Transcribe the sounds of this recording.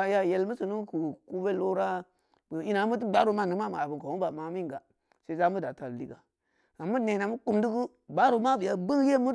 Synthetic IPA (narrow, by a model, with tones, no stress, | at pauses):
a˨ja˦˨je˦lmu˦su˨nu˦ku˨ku˦be˦lo˦ɾa˦ | bə˨i˦na˨˦mu˦t̬u˦ɡ͡ba˦ɾu˦ma˦˨nɨ˨˦ma˦m˨a˨bu˨ŋko˨u˦ba˨ma˨˦mi˦ŋɡa˨ | se˨˦za˦mu˦da˨ta˨llḭ˦ka˨ | a˨mu˦ne˨na˨mu˦ku˦mdu˦ku˦ | ba˦ɾu˨˦ma˦bi˨ja˦bu˦ŋ˦je˦mu˦